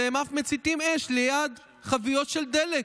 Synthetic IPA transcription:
eemafmet͡sit̪imeʃlejad̪ | χavijotʃeld̪elek

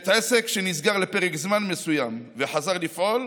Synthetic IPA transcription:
t̪ʕesekʃenizɡaʁlepeʁekzmanmesujamveħazaʁlifʔol

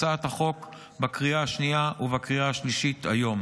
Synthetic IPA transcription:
aat̪haχo̞k | bakʁiaaʃniaʔuvakʁiaʃliʃit̪ʰa̰jo̞m

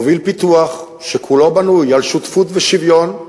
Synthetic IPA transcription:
vilpit̪uaχ | ʃekʰulo̞banujalʃut̪fut̪veʃivjo̞n

